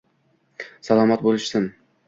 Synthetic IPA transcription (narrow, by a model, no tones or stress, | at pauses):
salˠɒmat̪̚bolˠɪʃsɪm